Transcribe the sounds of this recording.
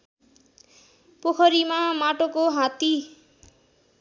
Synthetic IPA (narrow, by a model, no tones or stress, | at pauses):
pokʰʌɾimamaʈokoɦãt̪i